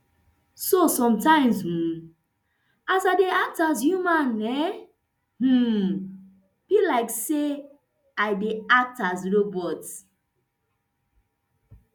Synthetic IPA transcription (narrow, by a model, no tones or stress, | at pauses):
sosɔ̃mtãɪ̃mzh̩ | azaɪdeak̚taz̬jumãnɛ | h̩ | b̥ilaɪkse | aɪdeak̚tazɹobɔt